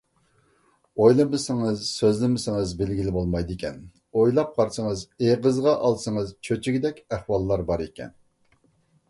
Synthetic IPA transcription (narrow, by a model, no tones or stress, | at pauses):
ojlˠɨmɨsɪŋɨzsøzlɪmɪsɪŋəzbɪlɡʲilɪbolˠmɑjd̪ɪkʲʰɛn | ojlˠɑp̚qʰɑɾsəŋəzeʁəzʁɑʔɑlˠsɨŋəzt͡ʃʰøt͡ʃʰɪɡʲid̪ɛkʲæχwɑlˠːɑɾbɑɾekʲɛ̰n